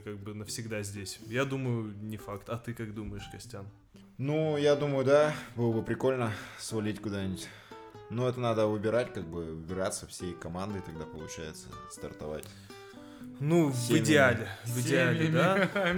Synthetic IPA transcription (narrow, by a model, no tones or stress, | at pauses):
kaɡ̚bɨnəfsʲɪɡd̪azʲdʲesʲjad̪uməjʊnʲɪfakt̪ɐt̪ɨkakd̪uməjɪʂkɐsʲtʲan | nujad̪uməjʊd̪abɨlˠəbɨpɾʲɪko̞lʲnəsvɐlʲitʲkʊd̪anʲɪtʲ | noɛt̪ənad̪əvɨbʲɪɾatʲkaɡ̚bɨvɨbʲɪɾat̪səfsʲejkɐmand̪ɨɪt̪ɐɡ̚d̪apəlˠʊt͡ɕæ̰jɪt̪sə̰st̪ɐ̰rt̪ɐ̰va̰tʲ | nuvɪdʲɪalʲɪvɨdʲɪalʲɪd̪a